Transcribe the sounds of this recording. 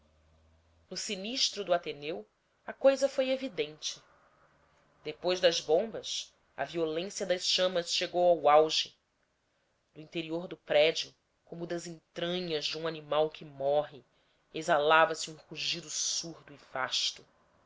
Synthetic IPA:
nʊsiniʃt̪ɾʊd̪ʊat̪enew | ɐkojzɐfojevid̪ẽnt͡ʃɪ̥ | d̪epojzd̪ɐzbõmbɐs | ɐ̰violẽsjɐd̪ɐsʃɐ̃mɐsʃeɡowawawʒɪ | d̪ʊĩnt̪eɾioɾd̪ʊpɾɛd͡ʒʊ | kõmʊd̪ɐzẽŋt̪ɾɐ̃ɲɐzd͡ʒɪũanimawkʰɪmɔɦɪ | ezalavɐsɪũχuʒid̪ʊsuɾd̪ʊivaʃt̪ʊ

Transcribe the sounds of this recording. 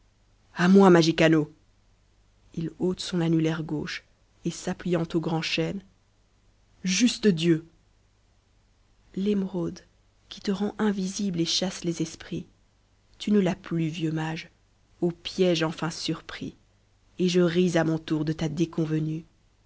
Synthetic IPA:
amwamaʒikano | ilot̪sɔ̃nanylɛʁɡo̰ʃ | esapɥijɑ̃t̪oɡʁɑ̃ʃɛn | ʒyst̪əd̪jø | lɛmʁod̪ | kʲit̪əʁɑ̃ʔɛ̃vizibleʃaslezɛspχi | t̪ynəlaplyvjømaʒ | opjɛʒɑ̃fɛ̃syʁpχḭ | eʒəʁizamɔ̃t̪uʁd̪ət̪ad̪ekɔ̃vəny

